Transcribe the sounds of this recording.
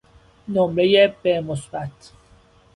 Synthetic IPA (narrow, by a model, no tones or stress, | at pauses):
nomɾejeb̥emosbæt̪ʰ